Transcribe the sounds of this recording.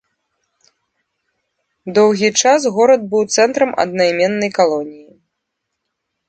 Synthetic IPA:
d̪ɔwɣʲit͡ʂasɣɔɾɐd̪̚bɨwt̪sɛnt̪ɾɐmʔɐ̰d̪nɐjmʲɛnːɐjkalˠɔnʲiji

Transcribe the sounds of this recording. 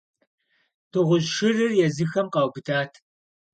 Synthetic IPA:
tʰɨʁʷʊʑʃɪrɨrjɛzɨxɐmqɑwbɨdaːtʰ

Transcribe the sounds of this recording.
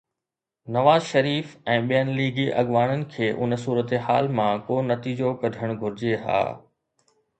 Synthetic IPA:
nɐʋaːzʃɐɾiːfɛ̃ːɓijənliːɡiʔɐɠʋaːɽ̃ənɪ̆kʰeːʔʊnsuːɾət̪eɦa̰ːlmãkoːnɐt̪iːd͡ʑokɐd̪ʱəɽ̃ɡʱʊɾɪd͡ʑeɦa̰ː

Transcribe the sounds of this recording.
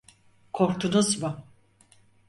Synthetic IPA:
kʰoɾk̚t̪ʰunuzmʊ

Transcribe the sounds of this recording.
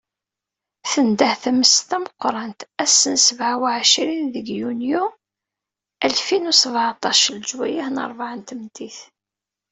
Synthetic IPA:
θənd̪əhθæməst̪æməqːɾˤɑnt̪æsənsəvʕawaʕʃɾinðəɡjunju | ælfinusəvʕt̪ˤɑʃld͡ʒwæjahnə̰ɾˤvaʕənt̪əmt̪iθ

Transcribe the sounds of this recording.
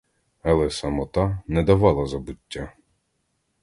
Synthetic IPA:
ɐlˠɛsɐmɔt̪ɑnɛd̪ɐʋɑlˠɐzɐbʊtʲːa

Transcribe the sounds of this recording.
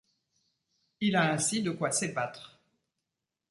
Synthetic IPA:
ilaɛ̃sid̪əkwasebat̪χ

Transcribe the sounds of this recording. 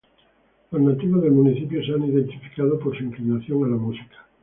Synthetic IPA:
loznat̪iβozðemuniθipjosaniðent̪ifi̥kað̞opoɾsuiŋklinaθjo̞ŋalamusi̥kḁ

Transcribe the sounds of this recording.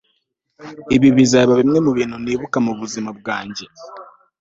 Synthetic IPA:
iβiβizaβaβimŋe̞muβiːn̥huniːβukamuβuzimab̚ɡaːɲɟe̞

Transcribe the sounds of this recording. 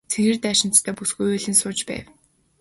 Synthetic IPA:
t͡sʰeɣɘ̆rt̪æːʃɪ̆nt͡st̪ʰœːpusɡujuːɮĭːnsʊːt͡ɕpæ̰ːw

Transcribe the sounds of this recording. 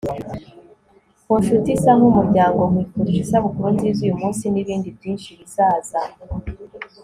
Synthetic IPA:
kunʃutisaŋumuɾɟaːŋɡo̞mwiːkoɾiʒisaβukuɾonzizuːjumuːnsiniβiːndibjiːnʃiβisaːza

